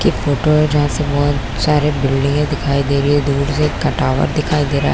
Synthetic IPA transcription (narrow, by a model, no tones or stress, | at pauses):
kifoːʈoɦɛ̃d͡ʒɐɦãsebɔɦ̪ | saːɾebɪlɖɪ̃ŋɡd̪ɪkʰaːid̪eːɾied̪uːɾsekɐʈaːʋə̰ɾd̪ɪkʰaːid̪eːɾa̰ːɦ